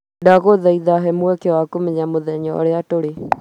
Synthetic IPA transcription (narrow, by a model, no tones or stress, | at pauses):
daɣoðaiðaɦɛmuɛkewakomeɲamoðɛɲɔ̰ɾeatoɾe